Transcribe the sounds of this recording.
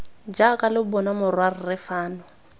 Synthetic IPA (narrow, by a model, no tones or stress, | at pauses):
d͡ʒakʼalɪbɔnamʊrwar̩rɪfaːnʊ